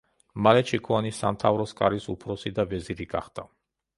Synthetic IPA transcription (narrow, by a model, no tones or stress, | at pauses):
malɛt͡ʃʰikʰuanisamt̪ʰavɾɔskʼaɾisupʰɾɔsid̪avɛziɾiɡa̰χd̪a